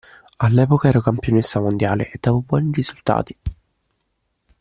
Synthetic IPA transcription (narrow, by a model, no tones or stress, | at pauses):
alːɛːpokaɛːɾakampjonesːamond̪jaːlḛʔed̪̥ːaːvobwɔːniɾizult̪a̰ːt̪i̥